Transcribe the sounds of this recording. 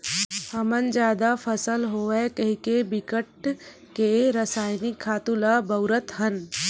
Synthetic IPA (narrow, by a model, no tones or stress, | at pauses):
həmənd͡ʒjaːd̪afʰəsəlɦoekəɦikebɪkəʈ | keɾəsaːjnɪkʰːaːt̪ũlabəʊɾət̪ɦən